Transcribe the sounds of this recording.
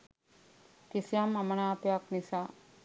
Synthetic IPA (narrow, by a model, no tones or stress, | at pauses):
kisijamɐmənaːpejaknisaː